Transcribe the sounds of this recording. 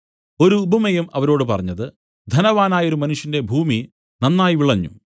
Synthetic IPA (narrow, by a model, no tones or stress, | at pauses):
o̞ɾuːbʱumɐjumɐʋɐɾo̞ːɽɨpɐrɐɲːɐðɨ | d̪ʱɐnɐʋaːnaːjo̞ɾumɐnuʂjɐnde̞bʱuːmi | nɐnːaːjiʋiɭɐɲːṵ